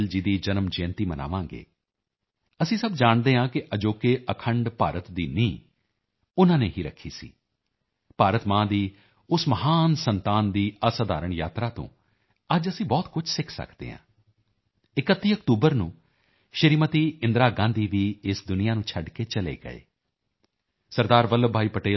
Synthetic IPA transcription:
ld͡ʒiːd̪iːd͡ʒənəmd͡ʒẽːnt̪iːməna̰ːʋãːŋɡḛː | əsĩːsəbd͡ʒaːɳd̪eːɦãːkɪʔəd͡ʒoːkeːʔəkʰəɳɖpa̰ːɾət̪d̪iːnĩː | ʊnãːneːɦiːɾə̰kʰːḭːsḭː | paːɾət̪mãːd̪iː | ʊsməɦaːnsənt̪aːnd̪iːəsəd̪a̰ːɾəɳjaːt̪ɾaːt̪õ̰ː | əd͡ʒəsĩːbɔːt̪kʊt͡ʃʰsɪkʰsə̰kʰd̪ḛːɦã̰ː | ɪkət̪ːiːəkʈuːbəɾnũː | ʃəɾiːmət̪iːɪ̃nd̪ɾaːɡãːnd̪iːʋiːɪsd̪ʊnɪjãːnũːt͡ʃʰəɖkeːt͡ʃəlḛːɡə̰ḛː | səɾd̪aːɾʋələbʱaːiːpəʈeː

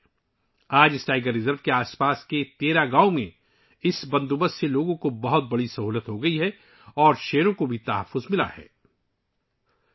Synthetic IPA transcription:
aːd͡ʒɪsʈaːɪɡəɾːɪzəɾʋkeaːspaːsket̪eːɾaɡaːomẽ | ɪsbɐ̃nd̪ubəsseloːɡõkobɐɦʊt̪̚bɐɽisɐɦuːlət̪ɦoɡɐiɦɛ | ɔːɾʃeːɾõkobʱit̪aɦəfːʊzmɪla̰hɛ̰ː

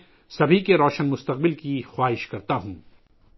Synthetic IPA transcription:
sɐbʱikeɾɔːʃənmʊst̪ɐq̚bɪlkixwaːɦɪʃkɐɾt̪aɦũː

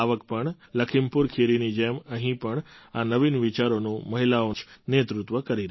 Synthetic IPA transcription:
aʋək̚pəɳ | ləkʰimpuɾkʰeɾinid͡ʒeməɦĩpəɳanəʋinʋit͡ʃaɾonũməɦilaot͡ʃnet̪ɾut̪ʋəkəɾiɾ

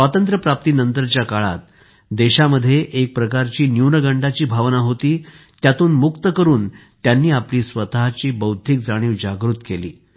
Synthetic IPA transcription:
at̪ənt̪ɾəpɾap̚t̪iːnənt̪əɾt͡ɕjakaɭa̰t̪̚ | d̪eɕaməd̪ʱːjeʔek̚pɾəkaɾt͡ɕiːnjuwnəɡəɳɖat͡ɕiːbʱaʋnaɦot̪iː | t̪jat̪uːnmukt̪əkəɾuːnt̪janːiːapliːsʋət̪aɦt͡ɕiːbəwd̪ʱik̚d͡zaɽ̃iːʋd͡ʑaɡɾut̪kelḭː

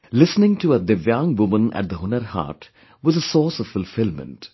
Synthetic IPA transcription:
lɪsnɪ̃ŋʈʰuəd̪ɨvjãŋwʊmə̃næ̰ʈ̚d̪əɦʊnəɾha̰ːʈ | wʌzəsɔːsɔv̥fʊlfɪlmə̰̃nt

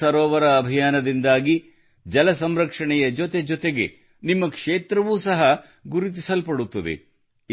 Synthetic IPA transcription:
ɐɾɔːʋɐɾɐːbʱijaːnɐd̪ind̪aːɡi | d͡ʒɐlɐsɐmɾɐkʂɐɳɛjɐd͡ʒɔt̪e̞d͡ʒɔt̪e̞ɡe̞̰ | nimːɐkʂeːt̪ɾɐʋuːsɐɦɐ | ɡuɾit̪̬isɐlpɐɽut̪ːɐd̪ḛ

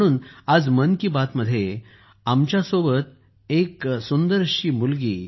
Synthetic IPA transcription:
ɽ̃uːnad͡zmənkibat̪məd̪ʱːje | amt͡ɕjasobət̪ | eksund̪əɾɕiːmulɡḭː

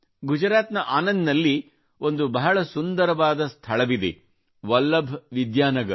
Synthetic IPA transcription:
ɡud͡ʒɐɾaːt̪nɐʔaːnɐnd̪nɐlːi | o̞nd̪ubɐɦɐɭɐsund̪ɐɾɐʋaːd̪ɐst̪ʰɐɭɐʋid̪e | ʋɐlːɐbʱʋid̪jaːnɐɡɐɾ

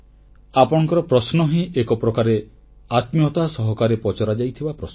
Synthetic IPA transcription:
apɔɽɔ̃ŋkɔɾɔpɾɔsnɔɦĩʔekɔpɾɔkaɾe | at̪mjɔt̪asɔɦɔkaɾepɔt͡ʃɔɾad͡ʒajt̪ʰibapɾɔsn

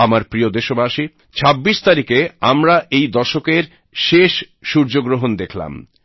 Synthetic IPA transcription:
amaɾpɾiod̪eʃobaʃi | t͡ɕʰabːiʃt̪aɾikeamɾaʔejd̪ɔʃokeɾ | ʃeʃ | ʃuɾd͡ʑoɡɾoɦond̪ekʰla̰m

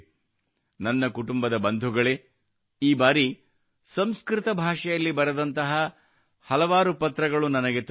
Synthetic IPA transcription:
nɐnːɐkuʈumbɐd̪ɐbɐnd̪ʱuɡɐɭe | iːbaːɾi | sɐmskɾɪt̪ɐbʱaːʂɐjɐlːibɐɾɐd̪ɐnt̪ɐɦɐ | hɐlɐʋaːɾupɐt̪ɾɐɡɐɭunɐnɐɡe̞t̪

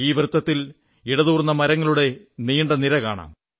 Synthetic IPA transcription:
iːʋrɨt̪ːɐt̪ːil | iɽɐðuːrnːɐmɐɾɐŋːɐɭuɽe̞niːɳɖɐniɾɐkaːɳa̰ːm

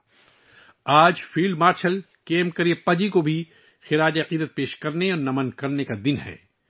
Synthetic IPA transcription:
aːd͡ʒfiːlɖmaːɾʃəl | keːmkɐɾiepɐd͡ʒikobʱi | xɪɾaːd͡ʒeɐqiːd̪ət̪̚peːʃkɐɾneɔːɾnɐmɐnkɐɾnekad̪ɪnɦɛ̰ː

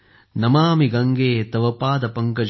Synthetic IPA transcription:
nɐmaːmiɡɐŋɡeːt̪ɐʋɐpaːd̪ɐpɐŋkɐd͡ʒ

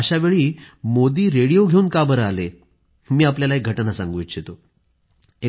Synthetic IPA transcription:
əɕaʋeɭiːmod̪iːɾeɽijoɡʱeunkabəɾale | miːap̬ljalaek̚ɡʱəʈnasã̰ŋɡʋjtːɕjet̪o | e

